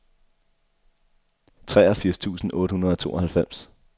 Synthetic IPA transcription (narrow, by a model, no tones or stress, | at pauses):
t͡sʰʁɛːɐfiɐ̰st͡sʰṵːsn̩ʔɔ̽ːɾəhunɐð̞̩ˠɒ̽t͡sʰo̝ːɒ̽hælfem̰s